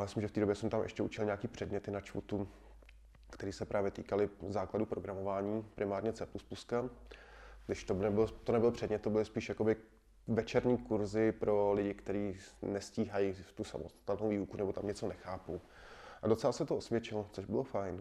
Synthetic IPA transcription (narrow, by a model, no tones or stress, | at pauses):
amɪslɪmʒɛft̪iːdobjɛsɛmt̪amʔɛ̰ʃcɛʔut͡ʃɪlɲɛakiːpr̝̥ɛdɲɛt̪ɪnat͡ʃfṵt̪u | kt̪ɛɾiːsɛpɾʔaːvjɛt̪ḭːkalɪzaːkladupɾoɡɾamovaːɲiːpɾɪmaːɾɲɛt͡sɛpluspuska | ɡdɪʃt̪onɛbɪlt̪onɛbɪlpr̥ɛdɲɛt̪ːobɪlɪspiːʃjako̞bɪ | vɛt͡ʃɛɾɲiːkuɾzɪpɾʔo̞lɪɟɪkt̪ɛɾiːnɛsciːɦajiːft̪usa̰most̪ḁt̪ɛlnowviːukunɛbo̞t̪amɲɛt͡so̞nɛxaːpuw | ʔadot͡sɛlasɛt̪oʔosvjɛt͡ʃɪlot͡soʒbɪlofajn